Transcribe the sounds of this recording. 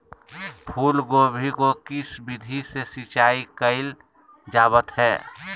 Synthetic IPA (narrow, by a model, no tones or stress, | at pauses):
pʰuːlɡoːbʱikokɪsbɪd̪ʱisesit͡ʃaːikəɪl | d͡ʒaːβət̪hɛː